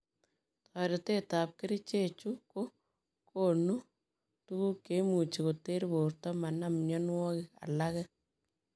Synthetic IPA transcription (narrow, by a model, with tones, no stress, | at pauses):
tʰɔ˨ɾe˨te˦tap̚kɪ˦ɾi˦t͡ʃe˦t͡ʃu˦ko˦ | kʰonu˦ | tu˦ku˦kːe˨˦mu˨t͡ʃi˨ko˨te˦ɾibo˨rtɔ˦ma˨namnjɔ˦nwɔ˦kɪ˨ka̰˨la˦kɛ˦